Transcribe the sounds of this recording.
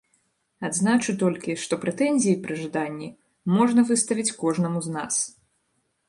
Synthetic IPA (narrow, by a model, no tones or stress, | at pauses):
ad̪znat͡ʂut̪ɔlʲkʲiʂt̪ɔpɾɛt̪ɛnʲzʲijipɾɨʐɨd̪anʲːi | mɔʐnɐvɨst̪ɐvʲit͡sʲkɔʐnɐmuzna̰s